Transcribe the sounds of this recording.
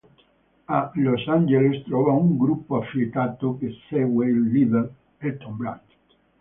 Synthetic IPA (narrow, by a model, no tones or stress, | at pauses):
alosand͡ʒelest̪ɾɔːvauŋɡɾupːoafit̪aːt̪okesɛɡweilːiveɾ | elt̪ɔmbɾa̰t